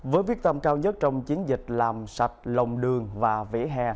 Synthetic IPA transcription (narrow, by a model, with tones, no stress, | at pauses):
vəː˨˦jɓwi˦˥ək̚t̪ə˧mkaː˧wɲə˦˥t̚t͡ɕɔ˧wŋ͡mt͡ɕi˨˦ənzï˨˩k̟̚laː˨˩msa˨˩jt̚lə˨˩wŋ͡mɗɨ˨˩əŋvaː˨˩vḛ˧˥ɦɛ˧